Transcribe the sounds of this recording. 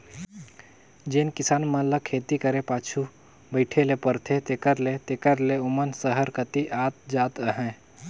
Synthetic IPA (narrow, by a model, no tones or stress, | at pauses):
d͡ʒeːnkɪsaːnmələkʰeːt̪ikəɾepaːt͡ʃʰu | bəɪʈʰelepəɾt̪ʰet̪ekəɾlet̪eːkəɾleʊmənsəɦəɾkət̪iʔaːt̪̚d͡ʒaːt̪əɦɛ̃